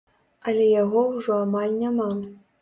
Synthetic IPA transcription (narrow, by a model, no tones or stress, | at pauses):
alʲɛjaɣɔwʐɔamalʲnʲama